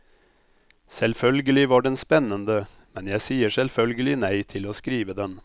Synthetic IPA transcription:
sɛlfœlɡəlɪʋɑɖɛnspɛnːənd̪ə | mɛnjæɪsiːəʂɛlfœlɡəlɪnæɪt̪ʰɪloːskɾiːʋəd̪ɛn

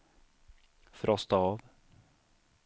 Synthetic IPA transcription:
fɾʔɔst̪aɑv

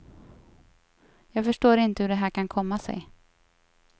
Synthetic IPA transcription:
jɑːɡfœʂʈoːɾɪnt̪əhɵɖɛɦæːɾkʰankʰɔmːasɛ̰j

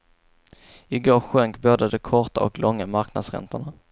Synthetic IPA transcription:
ɪɡoːɾɧœŋkboːd̪əd̪ɔkʰɔʈaɔ̰klʔɔŋːamaɾkna̰d̪sɾɛ̰nt̪əɳa

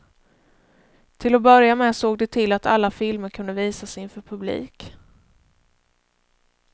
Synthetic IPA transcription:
t̪ʰɪlɔbœɾjamɛsoːɡ̚d̪ɛt̪ʰɪlːat̪a̰lːafɪlməɾkʰɵnd̪əviːsasɪnfœːɾpʰɵblḭːk

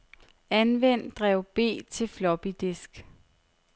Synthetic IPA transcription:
ænʋen̰d̥ʁɛʊ̰b̥e̝̰ːt͡sʰe̝lflɒ̽b̥id̥esɡ̥

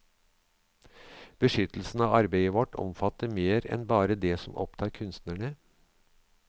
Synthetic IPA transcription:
b̥əʂʏt̪l̩sn̩ɑːɑɾbeɪəʋɔʈʰɔ̰mfɑt̪əɾmeːɾɛ̰nbɑːɾəd̪ɛsɔmʔɔ̰pt̪ʰɑːɾkʰʉnst̪næɳə

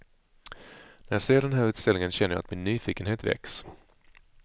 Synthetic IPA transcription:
næɾjɑseːɖɛnɦæːɾʉ̟ːt̪st̪ɛlɪŋənɕɛnːəjɑ̰a̰t̪mɪnːyːfiːkənɦeːt̪vɛ̰ks

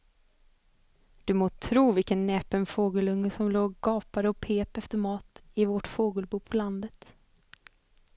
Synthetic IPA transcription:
d̪̥ɵmoːt̪ʰɾuːvɪlkənːɛːpənfoːɡəlɵŋːəsɔmloːɡɡɑːpaɾəɔpʰeːpɛft̪əɾmɑːt̪ɪvɔʈfoːɡəlbuːpʰɔland̪ət̪

